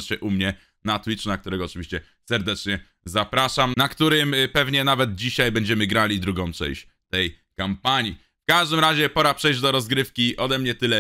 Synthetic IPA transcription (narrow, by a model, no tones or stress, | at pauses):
ɕɛʔumɲɛ | nat̪wit͡ʂnakt̪uɾɛɡɔɔt͡ʂɨvʲiɕt͡ɕɛ | sɛɾd̪ɛt͡ʂɲɛ | zapɾaʂamnakt̪uɾɘmpɛvɲɛnavɛd̪̚d͡ʑiɕajbɛɲd͡ʑɛmɘɡɾalʲid̪ɾuɡɔ̃w̃t͡ʂɛ̰̃w̃ɕt͡ɕ | t̪ɛjkampaɲi | fkaʐd̪ɘmɾaʑɛpɔɾapʂɛjd͡ʑd̪ɔɾɔzɡɾɘfkʲiʔɔd̪ɛmɲɛt̪ɘlɛ